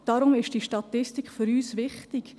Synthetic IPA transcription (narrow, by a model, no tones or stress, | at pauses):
d̥ɑɾʊmɪʃd̥iʃtɑt̪ɪstɪkχfʏɾyːsʋɪχtɪk